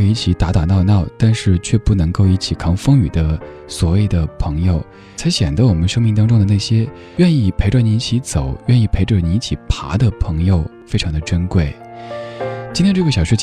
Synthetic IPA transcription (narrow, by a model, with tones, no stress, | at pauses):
i˥˩t͡ɕʰi˧˥t̪a˧˥t̪a˨˩nɑ˥˧ʊnɑ˥˩ʊt̪a˥˧nʂɻ̩˥˧t͡ɕʰɥɛ˥˧pu˥˩nɤ˧˥ŋko˥˧ʊi˥˩t͡ɕʰi˨˩kʰɑ˧˥ŋfɤ˥ŋy˨˩d̪ə˦ | swɔ˨˩we˥˩ɪd̪ə˩pʰɤ˧˥ŋjo˧ʊ | t͡sʰa˧˥ɪɕjɛ˨˩nd͡zə˦wɔ˨˩mə˦nʂɤ˥ŋmi˧˥ŋt̪ɑ˥ŋʈ͡ʂʊ˥ŋd̪ə˨˧na˥˩ɕjɛ˥ | ɥɛ˥˧ni˥˩pʰe˧˥wa˥˩ni˧˥i˥˩t͡ɕʰi˧˥t͡so˨˩˦ʊɥɛ˥˧ni˥˩pʰe˧˥ɪʈ͡ʂə˧ni˧˥˩t͡ɕʰi˨˩pʰa̰˧˥d̪ə˨pʰɤ˧˥ŋjo˧ʊfe˥ɪʈ͡ʂʰɑ˧˥ŋd̪ə˧ʈ͡ʂə˥nkwe˥˩ɪ | t͡ɕi˥nt̪ʰjnʈ͡ʂɤ˥˩ɡə˩jɑ˨˩ɕɥɛ˥